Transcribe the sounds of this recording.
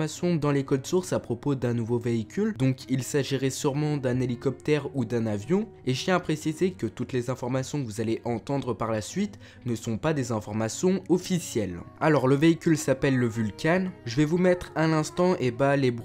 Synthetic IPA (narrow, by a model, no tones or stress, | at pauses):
masjɔ̃d̪ɑ̃lekɔd̪suʁsapχɔpod̪ɛ̃nuvoveikʲyld̪ɔ̃kilsaʒiʁɛsyʁmɑ̃d̪ɛ̃nelikɔp̚t̪ɛʁud̪ɛ̃navjɔ̃ | eʒət̪jɛ̃apχesizekət̪ut̪lezɛ̃fɔʁmasjɔ̃kəvuzaleʔɑ̃t̪ɑ̃d̪ʁəpaʁlasɥit̪ | nəsɔ̃pad̪ezɛ̃fɔʁmasjɔ̃ɔfisjɛlalɔʁləveikʲylsapɛlːəvylkʲanʒəvɛvumɛt̪χɛ̃nɛ̃st̪ɑ̃ʔebalebʁ